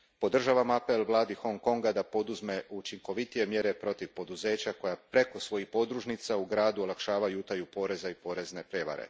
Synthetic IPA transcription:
po̞d̪r̩ʒaʋamape̞lʋlˠaːd̪ixo̞ŋko̞ŋɡad̪apo̞d̪uzme̞ʔut͡ʃiŋko̞ʋit̪ije̞mje̞ɾe̞pɾo̞t̪iʋpo̞d̪uze̞ːt͡ɕako̞japɾe̞ko̞sʋo̞jixpo̞d̪ɾuʒnit̪sauɡɾaːd̪uolˠakʃaːʋajuut̪ajupo̞ɾe̞zaipo̞ɾe̞zne̞pɾje̞ʋa̰ɾḛ

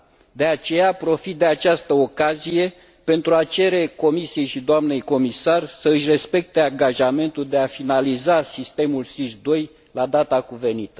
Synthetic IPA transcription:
d̪e̞at͡ʃe̞japɾo̞fit̪̚d̪e̞at͡ʃast̪əokazije̞ | pe̞nt̪ɾuat͡ʃe̞ɾe̞ko̞misije̞jʃid̪oamne̞jko̞misarsəɨʃre̞spe̞k̚t̪e̞aŋɡaʒame̞nt̪uld̪e̞afinalizasist̪e̞mulsiʃd̪o̞j | lad̪at̪akuve̞nit̪ə̥

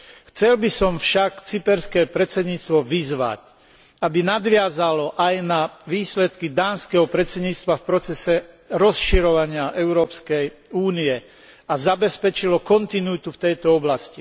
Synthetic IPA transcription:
xt͡sɛlbisɔmfʃakt͡sipɛɾskɛːpɾɛt͡sɛd̪ɲiːt͡st̪ʋɔʋizʋa̰c | abinad̪ʋɪazalɔʔajnaʋiːslɛt̪kid̪aːnskɛɦɔpɾɛt͡sɛd̪ɲiːt͡st̪ʋafpɾɔt͡sɛsɛ | ɾɔsʃiɾɔʋaɲɪaʔɛʊɾɔːpskɛjuːniɛ | azabɛspɛt͡ʃilɔkɔnt̪inuit̪uft̪ɛjt̪ɔɔblasci

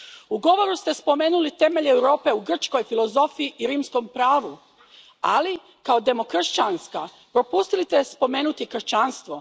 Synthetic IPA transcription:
uɡo̞ʋo̞ɾust̪e̞spo̞me̞ːnulit̪e̞me̞ʎewɾo̞ːpe̞uɡr̩t͡ʃko̞jfilˠo̞zo̞fiiʔiɾiːmsko̞mpɾaːʋu | a̰li | kaod̪e̞mo̞kr̩ʃt͡ɕanska | pɾo̞pust̪ilit̪espo̞me̞ːnut̪ikr̩ʃt͡ɕaːnst̪ʋo̞

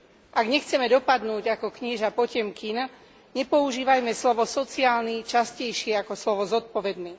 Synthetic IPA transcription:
ʔaɡɲɛxt͡sɛmɛd̪ɔpad̪nuːɟakɔkɲiʒapɔcɛmkina | ɲɛpɔuʒiːʋajmɛslɔʋɔsɔt͡siaːlnit͡ʃascɛjʃɪɛakɔslɔʋɔzɔt̪̚pɔʋɛd̪niː

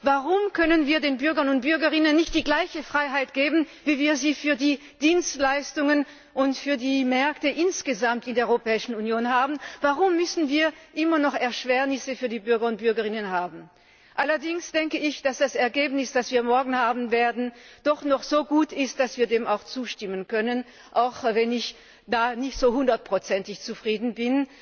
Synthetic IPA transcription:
vaʁʊmkʰœnənviːɐdeːnbʏɐɡɐnʊnt̚b̥ʏɐɡəʁɪnənːɪçt̚d̥iːɡlaɪçəfʁ̥aɪɦaɪtɡ̥eːbn̩viːviːɐziːfyːɐdiː | d̥iːnstlaɪstʊŋən | ʔʊntfyːɐdiːmɛɐktəʔɪnsɡ̥əzamtɪndeːɐʔœʏʁopʰɛːɪʃn̩unjoːnhaːbn̩vaʁʊmːʏsn̩viːɐʔɪmɐnɔχɛɐʃv̥ɛːɐnɪsəfyːɐdiːbʏɐɡɐʊnt̚b̥ʏɐɡəʁɪnənɦaːbn̩ | ʔalɐdɪŋsd̥ɛŋkəɪçd̥asd̥asɛɐɡeːbnɪsd̥asv̥iːɐmɔɐɡŋ̩haːbn̩veːɐdn̩d̥ɔχnɔχz̥oːɡuːtɪstd̥asv̥iːɐdeːmaʊxt͡suːʃtɪmənkœnən | ʔaʊxvɛnɪç | d̥aːnɪçtz̥oːhʊndɐt̚pʁ̥ot͡sɛntɪçt͡sufʁ̥iːdn̩bɪn

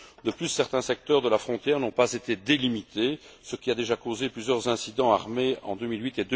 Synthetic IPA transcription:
d̪əplysːɛʁt̪ɛ̃sɛk̚t̪œʁd̪əlafχɔ̃t̪jɛːʁnɔ̃pazet̪ed̪elimit̪ʰesəkʲiad̪eʒakozeplyzjœʁzɛ̃sid̪ɑ̃aʁmeɑ̃d̪ømilwɥit̪ed̪ø

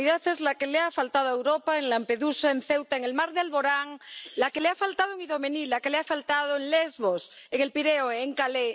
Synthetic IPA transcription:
iðaθezlakeleafalt̪að̞oaewɾopaeŋlampe̞ðusaenθewt̪aeŋelmaɾðealβo̞ɾaŋlakeleafalt̪að̞oeŋiðo̞menilakeleafalt̪aðoeŋlezβos | eŋe̞lpiɾeoeŋkale

